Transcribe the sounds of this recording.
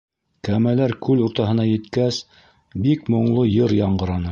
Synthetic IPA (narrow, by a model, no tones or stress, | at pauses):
kæmælæɾkʉluɾt̪ɑɦɤ̆nɑjɘ̆t̪kæs | bikmŏɴlˠojɤɾjɑɴɢɤ̆ɾɑnɤ